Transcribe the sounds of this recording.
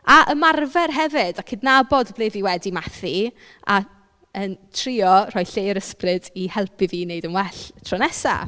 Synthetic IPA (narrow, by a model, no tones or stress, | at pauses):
aʔəmarvɛrɦɛvɪdakʰɪdnabɔdblˠeːviwɛdimaθi | a | əntʰrɪɔr̥ɔjɬejəɾəsprɨdihɛlˠpʰiviːnejdənwɛɬtʰrɔnɛsa̰